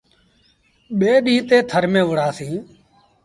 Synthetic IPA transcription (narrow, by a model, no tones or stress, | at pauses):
ɓeːɗĩːt̪eːt̪ʰəɾmẽːʋʊɽ̤aːsĩː